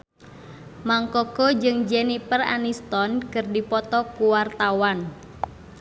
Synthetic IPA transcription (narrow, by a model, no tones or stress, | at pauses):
maŋkɔɡɔd͡ʒɨŋd͡ʒɛnipəra̰nist̪ɔnkɨrdipɔt̪ɔkuwart̪awan